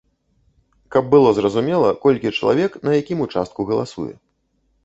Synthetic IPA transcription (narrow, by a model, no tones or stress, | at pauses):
kɐb̚ːɨlˠɔzɾɐzumʲɛlˠɐkɔlʲkʲit͡ʂɐlˠa̰vʲɛknɐjakʲimut͡ʂa̰st̪̚kuɣɐlˠasṵjɛ̰